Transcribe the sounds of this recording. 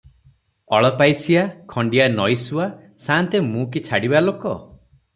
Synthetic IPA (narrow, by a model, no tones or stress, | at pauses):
ɔɭɔpajsiakʰɔɳɖijanɔjsua | sant̪emũkit͡ʃʰaɽibalokɔ